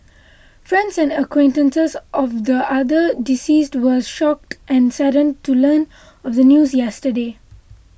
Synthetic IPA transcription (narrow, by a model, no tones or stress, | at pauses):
fɾɛ̃nɖsɛ̃nɖəkwẽːnʈə̃nsezʔɔvd̪əʔad̪əɖisiːsʈʋəʃɔk̚ʈʔɛ̃nsaɾə̃nɖʈuləːn | ɔvd̪ənjuːzjɛsʈəɖeː